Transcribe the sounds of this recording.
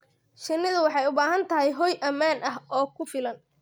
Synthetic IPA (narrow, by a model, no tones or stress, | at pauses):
ʃɪnːɪðʊwɑħɑjʊbaːɦɐnt̪ʰɐɦɛjɦɔjʔɐmaːnʔɐɦɔːkʰʊfɪlɐn